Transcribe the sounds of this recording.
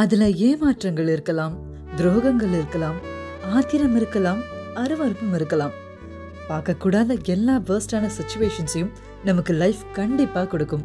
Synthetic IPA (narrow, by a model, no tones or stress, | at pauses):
ɐðɪlɐeːmaːʈrɐŋɡɐɭɪɾɯkːɐlaːm | d̪ɾoːɣɐŋɡɐɭɪɾɯkːɐlaːm | aːt̪ɪɾɐmɪɾɯkːɐlaːmɐɾɯʋɐɾɯmɯmɪɾɯkːɐlaːm | paːɾkɐkːuːɽaːðɐɛlːaːʋɐɾsʈaːnɐsɪt͡ʃːʊʋeːʂɐnsɐjɯm | nɐmɐkːɯlɐɪfkɐɳɖɪpːaːkɔɽɯkːɯm